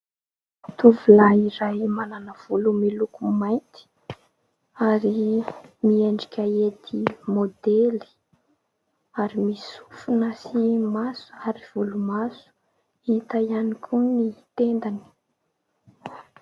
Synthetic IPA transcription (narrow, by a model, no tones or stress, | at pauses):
t̪uvulaiɾajmananəv̥ulumilukumajnt̪i̥ | aɾimieɳɖ͡ʐikʲaet̪ʰimod̪eli̥ | aɾimisu̥funasimasu̥aɾiv̥ulumasu̥ | it̪ajanikʲʰunit̪end̪ani̥